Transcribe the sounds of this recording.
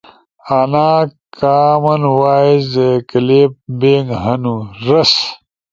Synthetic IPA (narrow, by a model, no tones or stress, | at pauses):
anaːkaːmɐnwaːizd̪ekɐlep̚beːŋɡɦɐnuɾɐs